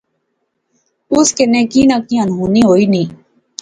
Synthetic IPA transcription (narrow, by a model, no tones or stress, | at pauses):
ʊskenẽːkĩːnakĩənɦuːnĩːɦoːiːnĩː